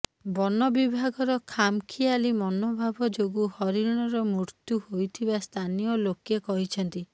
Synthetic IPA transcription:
bɔnɔbibʱaɡɔɾɔkʰamkʰialimɔnobʱabɔd͡ʒoɡuhɔɾiɾɽ̃ɔɾɔmuɾt̪juhojt̪ʰibast̪ʰanijɔlokekɔɦit͡ʃʰɔnt̪i

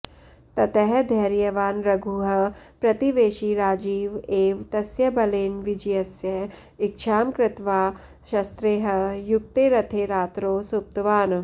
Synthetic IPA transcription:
t̪ɐt̪ɐɦɛd̪ʱɐːɾjɐʋaːnɾɐɡʱuɦɐpɾɐt̪iʋeːʃiːɾaːd͡ʒiːʋeːʋt̪ɐsjɐbɐleːnʋid͡ʒjɐsjɐ | ɪkʃʰaːmkɾɪt̪ʋaː | ʃɐst̪ɾeːɦɐjuk̚t̪eːɾɐt̪ʰeːɾaːt̪ɾoːsup̚t̪ʋaːn

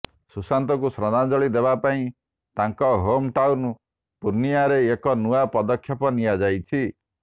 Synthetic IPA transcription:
susant̪ɔkusɾɔd̪ad͡ʒɔɭid̪ebapaĩ | t̪aŋkɔɦomʈawnu | puɾniaɾeːkɔnuapɔd̪ɔkʰːjɔpɔnijad͡ʒajt͡ʃʰi

